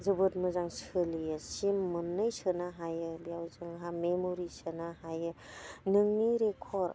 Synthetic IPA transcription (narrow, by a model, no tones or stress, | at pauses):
zɯbɯtmɯzaŋsɯlijɯsimːɯnːɯjsɯnaɦajɯbijawzɯŋɦamemoɾisɯnaɦajɯnɯŋniɾekʰɔɾ